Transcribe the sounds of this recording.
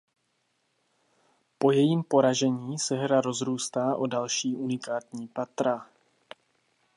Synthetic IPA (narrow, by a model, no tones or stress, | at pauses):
po̞jɛjiːmpo̞ɾaʒɛɲiːsɛɦɾaɾo̞zɾuːst̪aːʔodalʃiːʔunɪkaːt̪ɲiːpat̪ɾa